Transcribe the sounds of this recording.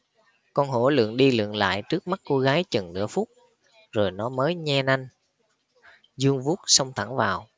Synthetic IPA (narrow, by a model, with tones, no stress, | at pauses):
kɔ˧nɦo˧˩lɨ̰˧˨əŋɗi˧lɨ̰˧˨əŋla̰ː˧˨jt͡ɕɨ˦˥ək̚ma˦˥t̚ko˧ɣaː˨˦jt͡ɕə˨˩nnɨ̰˧˥əfu˦˥k͡p̚ | zo˨˩jnɔ˨˦məː˨˦jɲɛ˧na˧ŋ | zu˧əŋvu˦˥t̚sə˧wŋ͡mt̪ʰa˧˩ŋvaː˨˩w